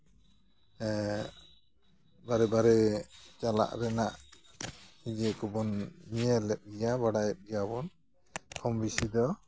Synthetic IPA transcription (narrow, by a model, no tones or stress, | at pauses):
baɾɛbaɾɛt͡ʃala̰ʔɾɛnaʔ | id͡ʒɛkɔbɔnmijɛlɛp̚ɡijabaɽajɛp̚ɡijabɔn | kʰɔmbisid̪ɔ